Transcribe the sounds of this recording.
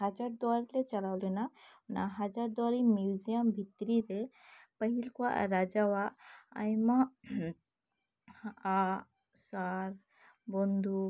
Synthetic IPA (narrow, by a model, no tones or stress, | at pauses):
ɦad͡ʒaɾd̪ɔɾilɛt͡ʃalawlɛnanaɦad͡ʒaɾd̪ɔɾimjud͡ʒiəmbʱit̪ɾiɾɛ | pəɦilkua̰ʔɾad͡ʒawaa̰jma | a | saɾ | bɔnd̪ʱu